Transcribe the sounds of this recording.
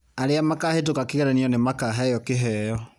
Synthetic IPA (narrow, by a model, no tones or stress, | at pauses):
aɾeamakahet̬okakeɣɛɾaniɔnemakaɦɛjɔkeɦɛjɔ